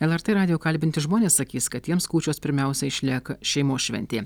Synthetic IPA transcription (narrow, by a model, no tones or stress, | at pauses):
ɛlˠɛɾt̪ɛɾɑːd̪ʲɪjoːkɐlʲbʲɪnʲt̪ʲɪʒmoːnʲeːssɐkʲiːskɐt̪t̪ʲːiɛmskuːt͡ʃʲoːspʲɪɾʲmʲɛˑʊsʲɛɪʃʲlʲiɛkɐʃʲɛɪmoːsʃʲʋʲɛ̰nʲt̪ʲeː